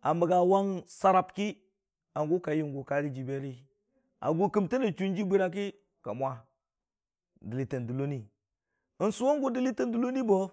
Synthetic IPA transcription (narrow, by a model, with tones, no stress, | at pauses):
a˨mbə˨ɡa˨wa˦ŋsa˦ɾa˨pki˦ | a˨ŋɡu˦ka˨ji˦ŋɡu˨ka˨ɾi˦d͡ʒi˨be˦ɾi˦ | a̰˨ɡu˦ki˦mti˦ni˨t͡ʃu˦n˦d͡ʒi˦bi˦ɾa˦k̬i˦ | ka̰˨mʷ˨a˦ | di˨li˨tə˨ndu˨lo˦ni˦ | i˨nsu˦wa˦ŋ˦ɡu˦di˨li˦tə˦ndu˦lo˦ni˦bo˦